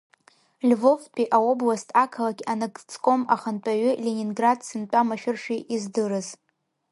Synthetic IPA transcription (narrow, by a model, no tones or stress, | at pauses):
lʲvo̞vpʼiʔao̞blastʰʼakʰalaɡʲanɨɡt͡sʰʼkʼo̞ma̰χant͡pʼaɥʏlʲenʲinɡradsɨnt͡pʷʼamaʃᶣɪrʂiʔizdɨɾɨz